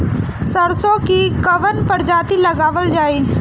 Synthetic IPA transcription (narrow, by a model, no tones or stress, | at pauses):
səɾsõkikɐʋənpəɾd͡ʒaːt̪ilɐɡaːʋəld͡ʒaːiː